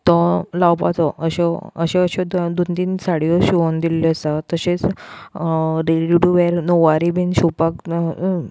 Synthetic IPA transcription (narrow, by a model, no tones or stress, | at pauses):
t̪ɔ̃lawpa̰t͡s̪ɔəɕɔəɕẽəɕɔd̪d̪ont̪iːnsaɽiɔɕuond̪ilːɔəsat̪əɕẽt͡s | ɾeɽiuɖuʋɛɾnoʋaɾibinɕupak